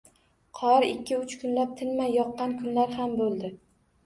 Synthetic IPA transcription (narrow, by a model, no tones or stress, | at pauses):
qʰɒɾɪkʲʰːɪʊt͡ʃkʰʊnlap̚t̪ʰɪnmajjɒqːɑnkʰʊnlaɾhambolˠd̪ɪ